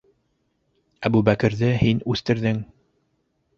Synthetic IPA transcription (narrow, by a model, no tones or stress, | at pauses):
æbubækɘ̆ɾðɘhinʉθt̪ɘ̆ɾðɘŋ